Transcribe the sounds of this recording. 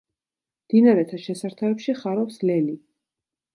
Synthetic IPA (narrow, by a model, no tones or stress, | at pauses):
md̪̥inaɾɛt̪ʰaʃɛsaɾt̪ʰaɛpʃiχaɾɔpslɛli